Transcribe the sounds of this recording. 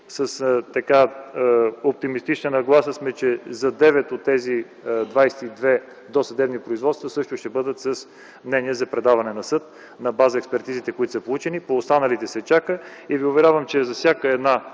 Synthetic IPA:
səst̪ɐka | op̚t̪imist̪it͡ʃnənɐɡlˠasəsmɛt͡ʃɛzɐd̪ɛvɛt̪ot̪ːɛzi | d̪vajsɛ̥t̪id̪vɛ | d̪osɐd̪ɛbnipɾoizvɔt̪st̪vəsɤʃt̪ʊʃt̪ɛbɤd̪ət̪sɐs | mnɛniɛzɐpɾɛd̪avɐnɛnɐsɤt̪ | nɐbazəɛkspɛɾt̪izit̪ɛkoit̪ʊsəpolˠut͡ʃɛnipoːst̪anəlit̪ɛsɛt͡ʃakəiviʊvɛɾʲavəmt͡ʃɛzɐfsʲjakəɛd̪na

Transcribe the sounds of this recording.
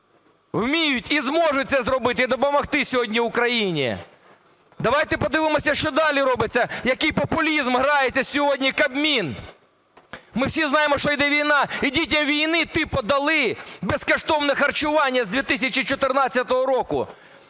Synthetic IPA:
wmʲijʊtʲizmɔʒʊt̚ʲt̪sɛzɾɔbɪt̪ɪid̪ɔpɔmɔxt̪ɪsʲɔɦɔdʲnʲiʊkɾɐjinʲḭ | d̪ɐʋɑjt̪ɛpɔd̪ɪʋɪmɔsʲɐʃt͡ʃɔd̪ɑlʲiɾɔbɪt͡sʲːɐjɐkɪjpɔpʊlʲizmɦɾɑjet͡sʲːɐsʲɔɦɔdʲnʲikɐbmʲin | mɪwsʲiznɑjemɔʃt͡ʃɔjd̪ɛʋʲijnɑidʲit̬ʲɐmʋʲijnɪt̪ɪpɔd̪ɐlˠɪbeskɔʃt̪ɔwnɛxɐrt͡ʃʊʋɑnʲːɐzd̪ʲʋʲit̪ɪsʲɐt͡ʃit͡ʃɔt̪ɪrnɑt͡sʲːɐt̪ɔɦɔɾɔkʊ̰

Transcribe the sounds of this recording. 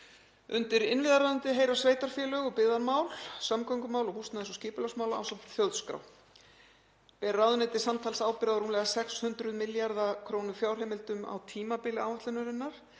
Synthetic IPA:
ʏnt̪ɪɾɪnvɪðaɾraðant̪ɪɦejɾḁsveːjt̪aɾ̥fjɛːlœɣɔpɪðaɾmaːwlsamkɔwŋkʏmaːwlɔhust̪aðɛsɔscɪːpɪlasmaːwlaa̰wsamt̪fjœlðskɾa̰w | pɛrraðʏnɛt̪ɪsant̪ʰaːlsaːwpɪɾaðaɾuːmlɛɣasɛkshʏnt̪ɾʏðmɪljaɾðakʰɾoːwnʏ̥fjaːwr̥ɪmɪlt̪ʏma̰wt̪ʰiːmapɪlɪaːwaht̪lʏnʏɾɪnːaɾ̥

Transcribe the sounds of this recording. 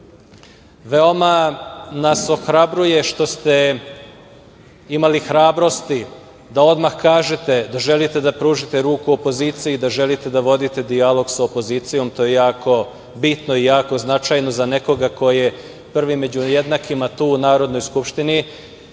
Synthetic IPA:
ʋeo̞manaso̞xɾabɾuje̞ʃt̪o̞st̪e̞ | imalixɾaːbɾo̞st̪i | d̪ao̞d̪maxkaːʒet̪e̞d̪aʒe̞lit̪e̞d̪apɾuːʒit̪e̞ɾuːkuopo̞ziːt̪sijid̪aʒelit̪e̞d̪aʋo̞d̪it̪e̞d̪ialˠo̞ɡsaopo̞ziːt̪sijo̞mt̪ojejaːko̞ | bit̪noijaːko̞znat͡ʃajno̞zaneko̞ɡako̞je̞ | pr̩ʋimːe̞d͡ʑujed̪nakimat̪uːnaːɾo̞d̪no̞jskupʃt̪ini

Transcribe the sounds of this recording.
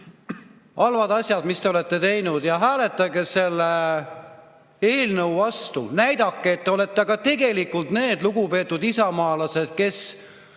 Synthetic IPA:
ɑlvɑd̪ɑsʲjɑd̪̥mist̪e̞ole̞t̪ːe̞t̪e̞jnud̪̥jɑɦæːle̞t̪ːˑɑɡese̞lːe | e̞ːlnəwvɑst̪ṵnæjd̪̥ɑkːeːt̪ːeo̞le̞t̪ːeɑɡ̥ɑt̪e̞ɡe̞likːult̪ne̞ːd̪luɡupe̞ːt̪ːˑud̪isɑmɑːlɑse̞d̪̥̚ke̞s

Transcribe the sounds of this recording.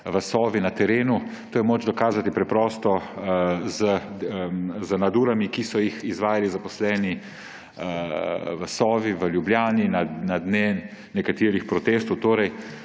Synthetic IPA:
ʋəsɔːʋinat̪ɛɾeːnut̪oːjɛmoːd͡ʒd̪ɔkaːzat̪ipɾɛpɾɔːst̪ɔ | zə | zənad̪uːɾamikisɔjixizʋaːjalizapɔslɛːni | ʋəsɔːʋiʋəljubljaːninanad̪neː | ɛkat̪iːɾixpɾɔt̪eːst̪ɔwt̪oːɾɛj

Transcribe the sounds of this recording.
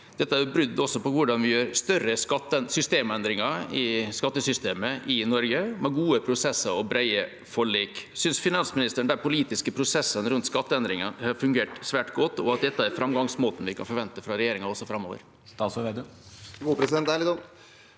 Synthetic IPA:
d̪̥ɛt̪ːəæjʊbɾʏd̪ːɔsːɔpɔʋʊɖɑnʋɪjøːɾst̪œɾːəskɑt̪ːəɛsʏst̪eːmɛnd̪ɾɪŋɑɪskɑt̪ːəsʏst̪eːməʔɪnɔɾɡəmɛɡuːəpʰɾʊsɛsːəɾɔbɾæɪə | fɔɭiːksʏnsfɪnɑnsmɪnɪst̪əɳ̩d̪æɾpʊliːt̪ɪskəpʰɾʊsɛsːənɾʉnt̪skɑt̪ːəɛnd̪ɾɪŋəhɑɾfʉŋɡeːʈsʋæːʈɡɔt̪ːɔɑt̪̚d̪ɛt̪ːəæɾfɾɑmɡɑŋsmoːt̪n̩ʋɪkʰɑ̰nfɔɾʋɛnt̪əfɾɑɾɛjeːɾɪŋɑɔsːɔfɾɑmo̰ːʋə̰ɾ | st̪ɑːsɔʋeːd̪əɡuːpɾɛsɪd̪ɛnt̪ælɪɔn

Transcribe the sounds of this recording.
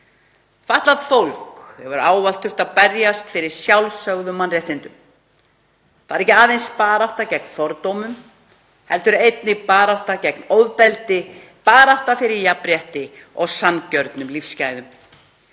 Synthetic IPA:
faht̪lað̥fowl̥khɛvʏɾaːwvalt̪ʰʏft̪aðpɛɾjast̪fɪɾɪɾ̥sjawlsœɣðʏmːanrjɛht̪ːɪnt̪ʏm | θavaɾɛhcɪaːðejnspaːɾawht̪acɛk̚nfɔɾt̪owmʏm | hɛlt̪ʏɾejt̪nɪpaːɾawht̪acɛknowðpɛlt̪ɪ | paːɾawht̪afɪɾɪɾjapɾjɛht̪ɪɔɣsancœɾt̪nʏmlifscaːjðʏm

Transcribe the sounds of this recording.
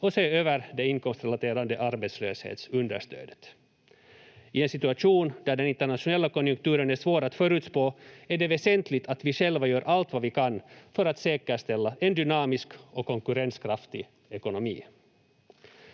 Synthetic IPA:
ɔseːøːvəɾd̪ɛɪnkɔmst̪ɾɛlat̪ʰeːɾand̪əʔaɾbɛt̪slø̰ːshḛːt̪sɵnd̪ə̰ʂt̪ø̰ːd̪ə̥t̪ | ɪɛnsɪt̪ɵaʂuːnd̪̥æɖɛnɪnt̪əɳat̪ʂʊnɛlːakɔnjɵŋk̚t̪ʉːɾənæʂvoːɾat̪fœɾʉ̟ːt̪spoːæɖɛvɛsɛnt̪ʰlɪt̪ʰat̪vɪʂɛlvajœːɾʔalt̪vavɪkʰanːfœɾat̪seːkəʂt̪ɛlːaʔɛnd̪ʏnɑːmɪskɔkʰːɔŋkɵɾɛnskʰɾaft̪ɪ | ɛkʊnɔmḭː

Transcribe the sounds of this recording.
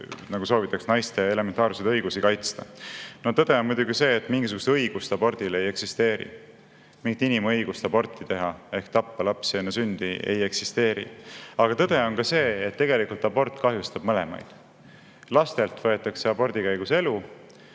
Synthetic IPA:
nɑɡ̥uso̞ːvit̪ːˑɑksnɑjst̪ee̞le̞ment̪ːˑɑːrsejd̪ɤjɡ̥usikɑjt̪st̪ɑno̞t̪ɤd̪̥e̞o̞nmujd̪uɡise̞ːt̪ːˑmiŋɡis̬uɡ̥u̥st̪eɤjɡ̥ust̪ɑbo̞rd̪̥ile̞je̞ksist̪e̞ːɾḭ | miŋɡit̪inimɤ̞jɡ̥ust̪ɑbo̞rt̪ːˑit̪e̞ɦɑe̞hkt̪ɑpːɑlɑpsienːesynd̪̥iḛje̞ksist̪e̞ːɾḭɑɡ̥ɑt̪ɤd̪̥e̞o̞nkɑse̞ːt̪ːe̞ɡe̞likult̪ːˑɑbo̞rt̪ːˑkɑɦjust̪ɑb̥mɤle̞̰mɑ̰jd̪̥ | lɑst̪elt̪vɤe̞t̪ːˑɑkseɑbo̞rd̪̥ikæjɡ̥use̞lu

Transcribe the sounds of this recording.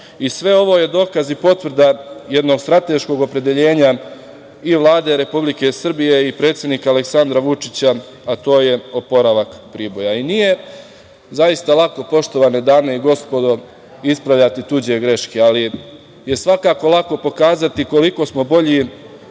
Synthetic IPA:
isʋe̞o̞ʋo̞ːje̞d̪o̞ːkazipo̞t̪ʋr̩d̪aje̞d̪no̞ːɡst̪ɾat̪e̞ʃko̞ɡo̞pɾe̞d̪e̞ʎe̞ːɲa | iʋlˠaːd̪e̞ɾe̞publike̞sr̩bije̞ipɾet̪sje̞d̪niːkaale̞ksand̪ɾaʋut͡ʂit͡ɕa | at̪o̞ːje̞o̞po̞ɾaʋakpɾiːbo̞jainije̞ | zaist̪alˠako̞po̞ʃt̪o̞ʋaːned̪aːne̞iɡo̞spo̞d̪o | ispɾaʋʎat̪it̪ud͡ʑe̞ɡɾe̞ʃkeali | je̞sʋakaːko̞lˠako̞po̞kaːzat̪iko̞liko̞smo̞bo̞ʎi

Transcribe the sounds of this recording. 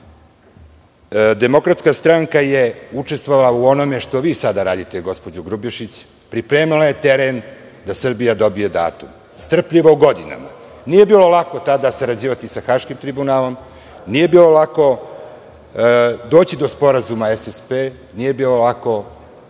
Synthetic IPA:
d̪e̞mo̞kɾat̪skast̪ɾaŋkaje̞ut͡ʂest̪vʋoʋalˠauo̞no̞me̞ʃt̪o̞ʋiːsad̪aɾaːd̪it̪eɡo̞spo̞d͡ʑuɡɾubiʃit͡ɕ | pɾipɾe̞ːmilaje̞t̪eɾen | d̪asr̩bijad̪o̞bije̞d̪a̰ːt̪um | st̪r̩pʎiʋouɡo̞d̪ina̰ma̰ | nije̞biːlˠo̞lˠako̞t̪ad̪asaɾad͡ʑiːʋat̪isaxaːʃkimt̪ɾibunaːlo̞m | nije̞biːlo̞lako̞ | d̪o̞ːt͡ɕid̪o̞spo̞ɾazumaesespe | nije̞biːlo̞lˠako̞

